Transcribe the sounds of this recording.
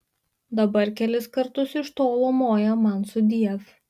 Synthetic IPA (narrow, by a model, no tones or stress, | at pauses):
d̪ɐbɐɾkʲɛlʲɪskɐɾt̪ʊsɪʃt̪oːlˠomoːjɛmɐnsʊd̪ʲiɛf